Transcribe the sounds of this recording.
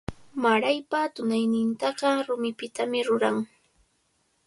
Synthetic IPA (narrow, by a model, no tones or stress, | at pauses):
maɾajpat̪ʊnajnɪnt̪ɑɢɑɾʊmɪpɪt̪amɪɾʊɾaŋ